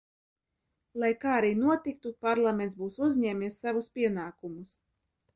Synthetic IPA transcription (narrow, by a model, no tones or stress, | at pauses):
lˠajkaːaɾiːnuɔt̪ik̚t̪upaɾlˠamʲent̪sbuːsuzʲɲɛːmʲisːavuspʲiɛnaːkumus